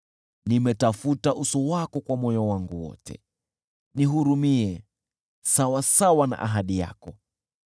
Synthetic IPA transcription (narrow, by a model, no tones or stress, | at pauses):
nimɛtafutaʔusɔwakɔkwamɔjɔwaŋɡuwɔ̰tʰɛ̰ | niɦuɾumiɛ | sawasawana̰ʔaɦaɗija̰kɔ